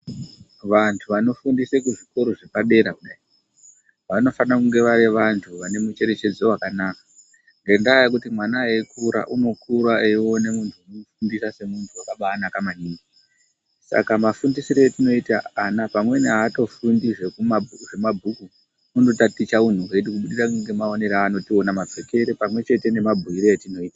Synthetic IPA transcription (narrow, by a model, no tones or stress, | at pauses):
ʋantʰuʋano̞fundisekuʐiko̞ɾo̞ʐepaɗe̞ɾauɗa | ʋano̞fanakuŋɡe̞ʋaɾeʋantʰuʋane̞mut͡ʃe̞ɾe̞t͡ʃe̞d͡zowakanakḁ | ŋɡe̞ndajak̬utimwanaeikuɾa̰ʔuno̞kuɾaeio̞ne̞muntʰuunofundisase̞muntʰuwakaɓaːnakamaɲiːi | sa̰kamafundisiɾo̞etino̞itaːnapamwe̞neɦaːto̞fundiʐekumauʐe̞mabʱuku | unotatit͡ʃaun̤uketikuɓuɗirakuŋɡe̞maone̞ɾaːno̞tio̞namap͡feke̞ɾepamwe̞t͡ʃe̞te̞ne̞mabʱuiɾo̞atino̞iːta